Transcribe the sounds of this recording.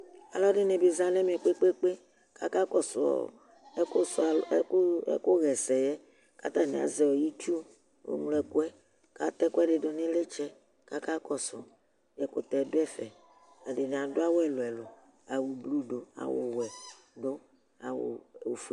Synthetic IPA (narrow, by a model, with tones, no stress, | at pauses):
a̰˨lɔ˦ɖɪ˦ne˨be˨zã˦nɛ˦mĩ˨ɛ˨k͡pe˦k͡pe˦k͡pe˦ | ka˦ka˦kɔ˨sɔ̰˨˦ | ko˦sa̰˨˦ko˦ɣɛ˨sɛ˨jɛ˦ | ka˦t̪a˦ne˨a̰˨zɛ˨wɔ˨ji˦t͡ʃu˦ | wo̰˦mu˦lɛ˨ku˦ɛ˦ | ka˦t̪ɛ˦ku˦ɛ˦ɖɪ˨do˨ne˦le˦t͡ʃɛ˦ | ka˦ka˦kɔ˨sʊ˨ | jɛ˨ko˨t̪ɛ˨do˦ɛ˦fɛ˨ | a˨de˨ne˨a˨do˦a˦wɛ˨lo˨ɛ˨lo˨ | a˨wu˨blu˦do˨a̰˨wo̰˨wɛ˨ | do˦ | a˨wo̰˨o˨f